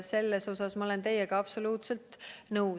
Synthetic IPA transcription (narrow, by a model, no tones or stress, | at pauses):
se̞lːe̞so̞sɑsmɑole̞nt̪e̞jeɡ̥ɑɑpso̞luːt̪se̞lt̪nɤw